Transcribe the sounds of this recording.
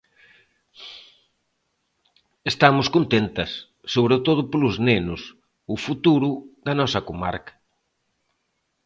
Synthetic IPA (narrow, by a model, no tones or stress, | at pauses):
est̪amʊskont̪ent̪ɐsː | oβɾet̪oð̞ʊpolʊznenʊs | ʊfut̪uɾʊðɐnɔsɐkoma̰ɾkɐ̥